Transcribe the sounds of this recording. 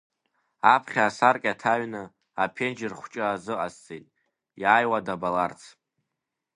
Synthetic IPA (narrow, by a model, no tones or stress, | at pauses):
apʰχʲaːsarkʲʼatʰaɥnɨ | apʰe̞nd͡ʒɪrχʷt͡ʃʼaːzɨʔast͡sʼejtʼ | jaːjwadabalart͡sʰ